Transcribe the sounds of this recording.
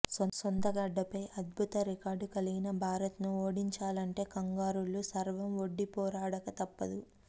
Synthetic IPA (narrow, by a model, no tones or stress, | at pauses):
sosont̪ɐɡɐɖːɐpɐjʔɐd̪̚bʱut̪ɐɾikaːɾɖukɐliɡinɐbʱaːɾɐt̪nuo̞ːɽiɲt͡ʃaːlɐɳʈe̞ːkɐŋɡaːɾulːusɐɾʋɐmʋo̞ɖːipɔːɾaːɽɐkɐt̪ɐpːɐd̪u